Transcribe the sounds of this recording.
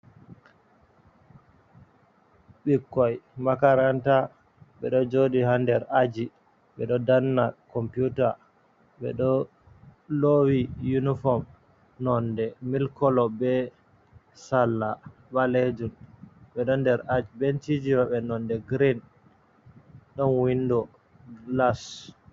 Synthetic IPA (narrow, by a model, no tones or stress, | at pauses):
ɓikːɔjmakaɾanta | ɓɛ̰ɗɔd͡ʒoɗihandɛɾad͡ʒi | ɓɛɗɔdanːakɔmpjuta | ɓɛ̰ɗɔ | lowijunifɔm | nɔndɛmilkɔlɔbɛ | salːa | ɓaled͡ʒunɓɛɗɔndɛɾad͡ʒibent͡ʃid͡ʒiwaɓɛnɔndɛɡɾin | ɗɔnwindɔ | ɡlas